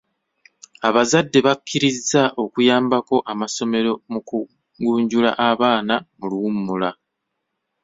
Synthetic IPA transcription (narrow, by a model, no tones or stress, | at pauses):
aβazadːe̞βakʰːiɾizːaʔo̞kujaːmbako̞ʔamaso̞me̞ɾo̞muku | ɡuːɲɟula̰ʔaβaːnamuluumːula